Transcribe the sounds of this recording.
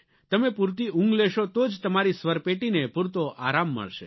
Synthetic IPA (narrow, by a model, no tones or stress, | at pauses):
t̪əmepuɾt̪iʔũŋɡleʃot̪od͡ʒt̪əmaɾisʋəɾpeʈinepuɾt̪oʔa̰ɾamːə̰ɭʃḛ